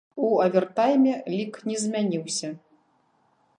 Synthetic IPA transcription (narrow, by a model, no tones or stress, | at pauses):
uɐvʲɛrt̪ajmʲɛlʲiknʲɛzʲmʲanʲiwsʲɐ